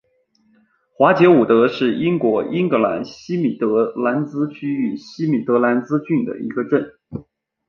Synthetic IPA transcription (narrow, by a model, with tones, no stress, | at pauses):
xwa˧˥t͡ɕjɔ˧˥ʊu˨˩t̪ɤ˧˥ʂɻ̩˥˩i˥ŋkwɔ˧˥ʔi˥ŋkɤ˧˥la̰˧˥nɕi˥mi˨˩t̪ɤ˧˥la˧˥nt͡sɹ̩˥t͡ɕʰy˥y˨˩ɕi˥mi˨˩t̪ɤ˧˥la˧˥nt͡sɹ̩˥t͡ɕy˥˩nd̪ə̰˩ḭ˧˥ɡə˧ʈ͡ʂə˥˩n